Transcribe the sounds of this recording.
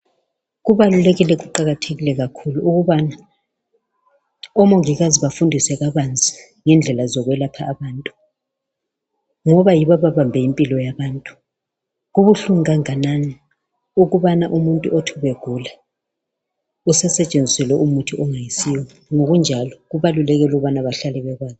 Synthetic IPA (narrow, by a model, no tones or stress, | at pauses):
ɣuβalulɛɣilɛɣuǃaɣatʰeɣilɛɣakʰuluuɣuβana | ɔmɔŋiɣaziβafundʱisɛɣaβand͡zʱi̥ | ŋɛnd͡ɮʱɛlazɔɣwɛlapʰaːβaːntʼu | ŋɔβajiβaβaβambʱɛjimpʼilɔjaβaːntʼu̥ | ɣuβuɬuŋaŋanani | uɣuβanaʔumuntʼuʔotʰuβeɡ̥ʱula | usɛsɛt͡ʃʼend͡zʱisɛlɛʔumutʰiɔŋajisiwɛ | ŋoɣund͡ʒʱalɔɣuβalulɛɣɛluuβanaβaɬalɛβɛɣaːzi